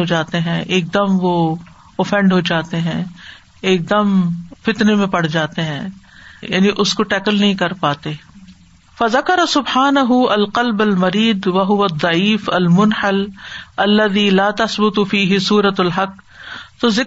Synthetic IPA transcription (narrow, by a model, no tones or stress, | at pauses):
ɦod͡ʒaːt̪eɦɛ̃ʔeːk̚d̪ɐmʋo | ofɛ̃ɳɖɦod͡ʒaːt̪eɦɛ̃ | eːk̚d̪ɐmfɪt̪nemẽpɐɽ̤d͡ʒaːt̪eɦɛ̰̃ːja̰ːniʔʊskoʈɛːkəlnɐɦĩkɐɾpaːt̪eː | fɐzɐkɐɾasʊbħaːnɐɦʊɐlqɐlbɐlmɐɾiːd̪ʋɐɦʊʋɐd̪ˤːɑʕiːfɐlmʊnħɐlɐlːɐðiːlaːt̪ɐsbʊt̪fiːɦɪsuːɾɐt̪ɐlɦɐk | t̪oːzɪ